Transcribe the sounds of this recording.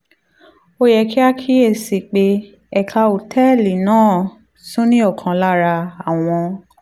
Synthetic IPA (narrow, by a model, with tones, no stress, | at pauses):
o˦jɛ˧ki˦a˦kʰi˦e˦˨si˨k͡pe˧˦ | ɛ˦˨kʰa˧o˨tʰɛ˦˨li˨nãː˦˨ | sũ˦nĩ˦ɔ˦˨kʰã˨˧la˦˨ɾa˧a˨w̃ɔ̃˧